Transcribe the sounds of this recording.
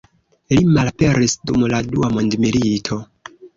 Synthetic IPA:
limalpeɾisdumladuamondmilitʰo̞

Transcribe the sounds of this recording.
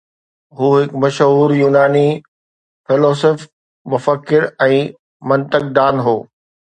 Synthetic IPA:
ɦuːɦɪkmɐʃɦuːɾjuːnaːni | fɪloːsɪf | mʊfəkːɪɾɛ̃ː | mɐ̃nt̪ək̚d̪aːnɦoː

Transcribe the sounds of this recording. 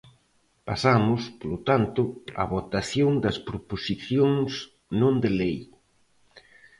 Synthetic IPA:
pasamʊspolot̪ant̪ʊa̰βot̪aθjoŋd̪ɐspɾoposiθjoŋs | nõnd̪elej

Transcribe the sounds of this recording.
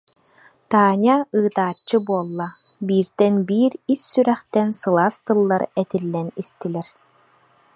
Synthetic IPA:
t̪aːɲaɯːt̪aːt͡ɕːɯbuɔlˠːabiːɾd̪ɛnbiːɾisːyɾɛχt̪ɛnsɯlˠaːst̪ɯlˠːaɾɛt̪ilːɛnist̪ilɛɾ

